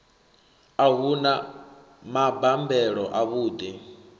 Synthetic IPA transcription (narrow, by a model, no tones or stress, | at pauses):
aɦuna | mabambɛɺɔʔaβuːd̪i